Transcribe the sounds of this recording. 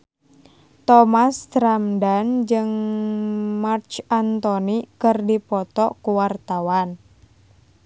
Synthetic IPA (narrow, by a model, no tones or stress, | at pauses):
t̪ɔmast̪ɾamdand͡ʒɨŋ | mart͡ʃant̪ɔnikɨrdipɔt̪ɔʔkuwart̪awan